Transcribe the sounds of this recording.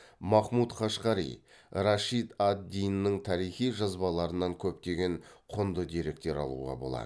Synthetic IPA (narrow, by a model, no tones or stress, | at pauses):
mɑχmut̪χɑʃqɑɾḭj | ɾɑʃit̪ad̪ːijnːəɴt̪ʰɑɾijχijʒɑzbɑlˠɑɾənɑŋkʲʰɵp̚t̪e̞ɡʲe̞ɴqʰʊnd̪əd̪e̞ɾe̞k̚t̪e̞ɾɑ̰lˠṵʁɑ̰bo̞lˠɑ̰d̪ə